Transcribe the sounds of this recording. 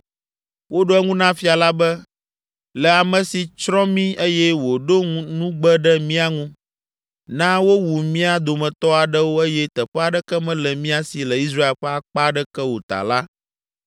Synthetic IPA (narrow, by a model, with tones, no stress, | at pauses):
wo˦ɖo˦ɛ˦ŋũ˦nã˦fi˦a˨la˦bɛ˦ | lɛ˨a˨mɛ̃˨si˨t͡ʃɾɔ̃˦mĩ˦e˦jɛ˦wo˨ɖo˦ŋ˦nũ˦ɡ͡bɛ˦ɖɛ˦mĩ˦a˨ŋũ˦ | nã˦wo˦wu˨mĩ˦a˨d̪o˨mɛ̃˨t̪ɔ˦a˨ɖɛ˦wo˦e˦jɛ˦t̪ɛ˨ɸɛ˦a˨ɖɛ˦kɛ˦mɛ̃˦lɛ˨mĩ˦a˨si˨lɛ˨i˦s̬ɾa˦e˦lɸɛ˦a˨k͡pa˦ɖɛ˦kɛ˦wo˨t̪a̰˨la˦